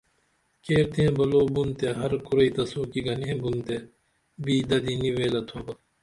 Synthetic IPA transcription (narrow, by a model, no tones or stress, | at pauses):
keːɾt̪eẽbɐloːbunt̪eɦɐɾkuɾɐit̪ɐsuːkiɡɐniẽbunt̪e | biːd̪ɐd̪iniʋeːlɐt̪ʰoːbɐ